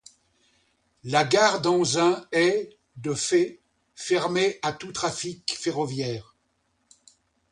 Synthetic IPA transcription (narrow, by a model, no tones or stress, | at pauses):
laɡaʁd̪ɑ̃zɛ̃ɛ | d̪əfe | fɛʁmeʔat̪ut̪χafikfeʁɔvjɛːʁ